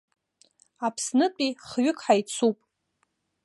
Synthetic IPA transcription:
apʰsnɨpʼiχɥʏkʰʼħajt͡sʰupʼ

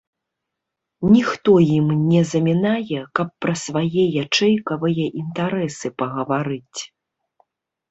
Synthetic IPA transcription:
nʲixt̪ɔjimnʲɛzɐmʲinajɛkɐpːɾɐsvajɛjat͡ʂɛjkɐvɨjɐʔint̪aɾɛsɨpɐɣɐvaɾɨt͡sʲ

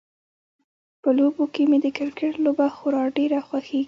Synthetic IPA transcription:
pəlobokemed̪əkɪɾkɪʈlobaxʊɾɑɖeɾaxwaxeɡi

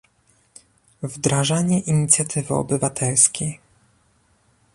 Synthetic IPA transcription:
vd̪ɾaʐaɲɛʔiɲit̪sʲjat̪ʰɘvɘɔ̰bɘvat̪ʰɛlskʲej

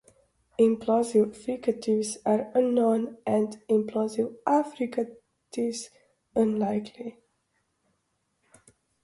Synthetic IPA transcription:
ɪ̃mpʰlɔzivfɾikətʰivzaɹənːɔnɛ̃ndɪ̃mpʰlɔzivʔafɾikə | tʰiz | ə̃nlaɪkʰli

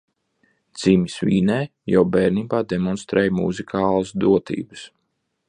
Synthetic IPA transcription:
d̪z̥iːmʲisvḭːnɛːjawbɛːɾniːbaːd̪emɔnst̪ɾɛːjmṵzikʰaːlˠasd̪uɔt̪ḭːbɨs

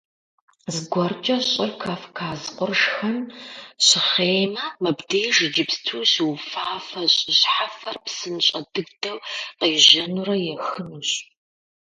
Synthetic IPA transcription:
zɡʷɔrt͡ʃʼɐɕʼɪrkʰafkʰaːzqʷʼʊrʂxɐmɕɪχeːjmɐmɐbdejʒɨd͡ʒɪpstʰuːɕwfaːfɐɕʼɪɕħafɐrpsɨnɕʼɐdɨɡdɐwqiːʑʒɐnurɐjɛxɨnuːɕʼ

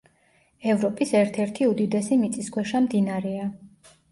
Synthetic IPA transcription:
ɛvɾɔpʼisɛɾt̪ʰɛɾt̪ʰiud̪id̪ɛsimit̪sʼiskʰwɛʃamd̪inaɾɛa

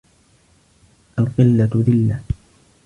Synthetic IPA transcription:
ʔalqɪlːaðɪlːa

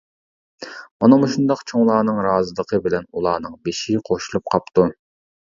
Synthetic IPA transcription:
mɑnɑmuʃund̪ɑqt͡ʃʰoŋlˠɑːnɨŋɾɑːzɨlˠəqʰəbɪlɛnulˠɑːnɨŋbeʃiqʰoʃulˠup̚qʰɑp̚t̪u

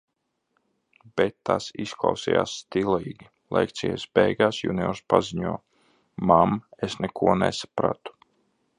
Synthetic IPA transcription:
b̥ɛt̪ːasisklˠa̰wsija̰ːsːt̪ilˠiːɡʲi | lˠɛ̰kt̪sʲḭjɛsbɛjɡaːsjṵniɔɾspaziɲuɔ | mamesnɛkʰuɔnɛsḁpɾa̰t̪u̥

